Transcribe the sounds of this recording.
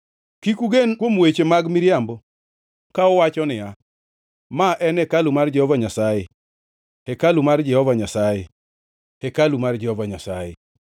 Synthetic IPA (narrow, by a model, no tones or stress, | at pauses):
kikuɡenkwomwet͡ʃemaɡmiɾjambɔ | kaɔwat͡ʃɔnɪja | maʔɛnɛkalumard͡ʒɛhɔvaɲasaje | hɛkalumard͡ʒɛhɔvaɲasaje | hɛkalumard͡ʒɛhɔvaɲasajḛ